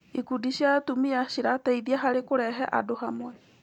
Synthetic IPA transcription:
ikudiʃiatumiaʃiɾatɛiðiaɦaɾekoɾɛɦɛʔa̰dohamwɛ

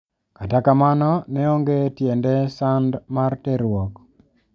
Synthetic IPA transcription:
katakamanɔnɛoŋɡetjendesandmarteɾwɔk

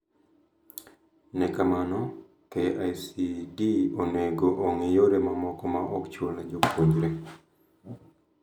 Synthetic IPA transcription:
nɛkamanɔ | teʔajsiɡioneɡoʔoŋejoɾemamɔkɔmaʔɔkt͡ʃwolnad͡ʒopʰoɲd͡ʒɾe

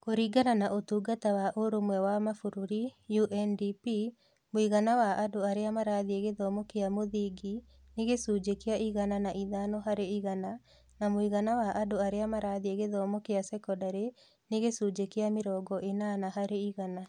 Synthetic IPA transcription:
koɾiɡananaʔotuːɡatawaʔoɾomwɛwamafuɾuɾijuʔɛndipi | moiɣanawaʔadoaɾeamaɾaðieɣeðɔːmɔkeamoðiɡi | neɣesuːd͡ʒekeaʔiɣananaʔiðanɔɦaɾeiɣana | namoiɣanawaʔadoaɾeamaɾaðieɣeðɔmɔkeasɛkɔdaɾe | neɣesuːd͡ʒekeameɾɔːɡɔʔenanaɦaɾeiɣana

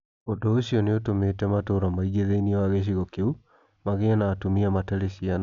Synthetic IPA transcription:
odoːɕiɔneotometɛmatoɾamaiɡeðeiniɛwaɣeʃ̬iɣɔkeu | maɣeanaːtomiamatɛɾeɕian

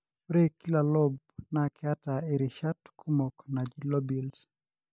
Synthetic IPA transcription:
ɾekilalɔb̚ | nakɪataeɾiʃatkʰumoknad͡ʒilobils

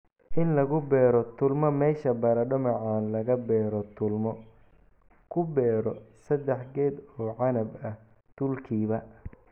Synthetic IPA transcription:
ʔɪnlɐɣʊbɛːɾɔt̪ʰʊlmɐmɛːʃɐbɐɾɐɖɐmɐʕaːnlɐɣɐbɛːɾɔt̪ʊlmɔ | kʰʊbɛːɾɔsɐd̪ɛħɡɛːd̪ɔːʕɑnɐbɐh | d̪̥ʊlkʰiːβɐ

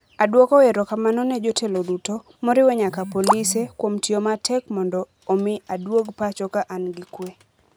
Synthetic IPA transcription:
adwokɔeɾɔkamanɔnɛd͡ʒotʰeloduto | moɾɪwɛɲakapolisekwomtjomatʰɛkmɔndɔː | mɪadwoɡpat͡ʃɔkaʔanɡɪkwe

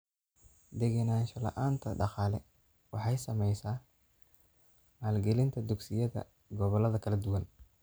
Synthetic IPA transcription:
d̪ɛɣɐnaːʃɔlɐ̰ʔaːnt̪ʰɐɖɑqɑːlɛ̰ | wɑħɑjsɐmɛjsaː | maːlɡɛlɪnt̪ʰɐd̪ʊɡsɪjɐðɐ̰ | ɡɔβɔlɐðɐkʰɐlɐd̪ʊwɐn

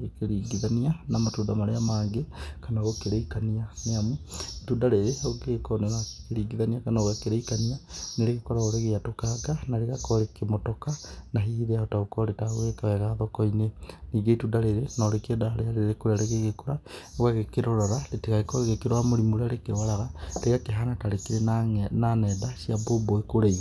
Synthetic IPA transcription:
ekeɾiːɡiðanianamatuːdamaɾeamaːŋɡekanaɣokeɾeikanianeamuitudaɾeɾeoɡekɔnɛɾakeɾiːɡiðaniakanaɣwakeɾeikanianeɾeɣekɔɾaoɾeɣeatokaɡanaɾeɣakɔɾekemotɔkanaɦiðeaotaokɔɾetaɣwekawɛɣaðɔkɔineniːɡeitudaɾeɾenaɾekiɛdaaɾeaɾeeɾekoɾeaɾeɣeɣekoɾaɣwaɣekeɾoɾɔɾaletiɣaɣekɔɣeɣekeɾoamoɾimoɾaɾekeɾwaɾaɣaleɣakeɦanataɾekiɾenanɛdasiaboboekoɾeiɣ

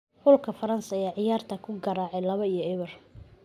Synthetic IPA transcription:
ħʊlkʰɐfɐɾɐnsɐjaːʕɪjaːrt̪ʰɐkʰʊɡɐɾaːʕɛjlɐβɐijɔɛβɐr

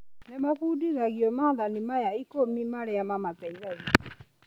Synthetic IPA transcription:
nɛmakudiɣaɣiɔmaðanimajaikomimaɾɛamamataiɣaɣi

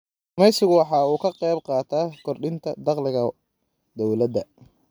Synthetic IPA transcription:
ʊmɛjsɪɣʊwɑħɑːuːkʰɐqɛjb̚qɑːt̪ʰaːkʰɔrɖɪnt̪ʰɐd̪ɑqlɪɣɐ | d̪ɔwlɐd̪ɐ

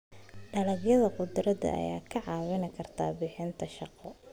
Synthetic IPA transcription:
ɖɐlɐɡjɐðɐqʊd̪ɾɐd̪ɐ̰ʔɐ̰ja̰ːkʰɐʕɑːwɪnɪkʰɐrt̪ʰa̰ːbɪħɪnt̪ʰɐʃɑqɔ

